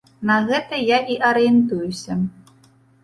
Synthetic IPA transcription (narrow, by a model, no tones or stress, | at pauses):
nɐɣɛt̪ɐjaʔiʔɐɾɨɛnt̪ujusʲɐ